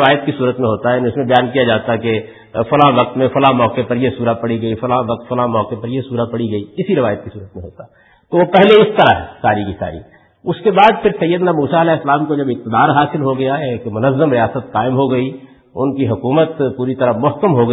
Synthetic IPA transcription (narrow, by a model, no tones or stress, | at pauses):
ʋaːjət̪̚kisuːɾət̪mẽɦoːt̪aɦɛnʊsmẽbɐjaːnkijad͡ʒaːt̪ake | fɐlaʋɐk̚t̪mẽfɐlamɔːkepɐɾjesuːɾapɐɽiɡɐifɐlaʋɐk̚t̪fɐlamɔːkepɐɾjesuːɾapɐɽiɡɐiɪsiɾɪʋaːjət̪̚kisuːɾət̪mẽɦo̰ːt̪aɛ | t̪oʋopɛɦleɪst̪ɐɾa̰ɦɛsaːɾikisa̰ːɾḭ | ʊskebaːd̪pʰɪɾsɐjːəd̪namuːsaɐlɛːɪslaːmkod͡ʒɐbɪk̚t̪ɪd̪aːɾɦaːsɪlɦoɡɐjaɦɛkemʊnəzːəmɾɪjaːsət̪qaːɪmɦoɡɐi | ʊnkiɦʊkuːmət̪puːɾit̪ɐɾamʊɦkəmɦoɡɐ